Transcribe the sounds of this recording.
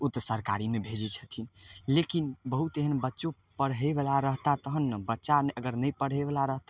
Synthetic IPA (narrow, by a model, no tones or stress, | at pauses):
ut̪əsəɾkaɾimebʱed͡ʒɛt͡ʃʰət̪ʰinlekinbəɦut̪eɦənbətːʃo | pəɽɦebelaɾəɦt̪at̪əɦənːəbətːʃanəɡəɾnəjpəɽ̤ɦebəlaɾəɦt̪a